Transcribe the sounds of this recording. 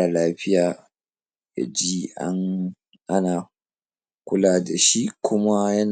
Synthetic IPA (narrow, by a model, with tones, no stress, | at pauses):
a˨laː˦ɸɪ˦jaː˨ | ja̰˨d͡ʒiː˦ʔa̰˦ŋ | ʔa˦naː˨ | kʷʊ˦laː˨da˨ʃi˦kʷʰʊ˦ma˦jɐ˦n